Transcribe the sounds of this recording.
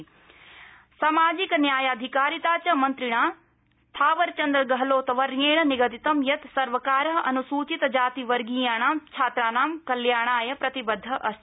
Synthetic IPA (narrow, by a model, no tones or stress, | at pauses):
saːmaːd͡ʒiknjaːjaːd̪ʱikaːɾit̪aːt͡ʃɐmɐ̃nt̪ɾiɽ̃aː | st̪ʰaːʋɐɾt͡ʃɐ̃nd̪ɾɐɡɐɦɐloːt̪ɐʋɐɾjeːɳ̃ɐniɡɐt̪it̪ɐmjɐt̪sɐɾʋɐkaːɾɐɦɐnusuːt͡ʃit̪d͡ʒaːt̪iʋɐɾɡiːjaːɳ̃aːmt͡ʃʰaːt̪ɾaːnaːmkɐljaːɳ̃aːjɐpɾɐt̪ibɐd̪ʱːɐʔɐs